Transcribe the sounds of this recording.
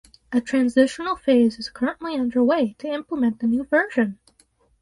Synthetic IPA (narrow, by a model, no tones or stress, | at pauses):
ʔɨtʰɹ̥æ̃nzɪʃn̩l̩ˠfeɪzɨz̥kʰɜ˞ə̃nʔliʌ̃ndə˞weɪɾɨɪ̃mpləmɛ̃nðɨnʉvɜ˞ʒɨ̃n